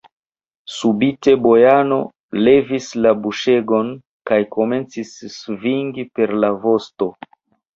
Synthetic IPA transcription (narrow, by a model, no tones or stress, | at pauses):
subite̞bo̞jano̞̰ | le̞vislabuʃe̞ɡo̞n | kajko̞me̞nt͡sisːviŋɡipe̞ɾlavo̞sto̞